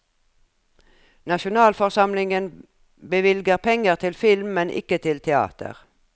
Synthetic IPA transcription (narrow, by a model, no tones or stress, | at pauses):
nɑʃʊnɑːlfɔʁsɑmlɪŋən | bəʋɪlɡəʁpʰɛŋəʁt̪ʰɪlfɪlmːɛnʔɪ̰kət̪ʰɪlt̪ʰɛɑ̰ːt̪ə̰ʁ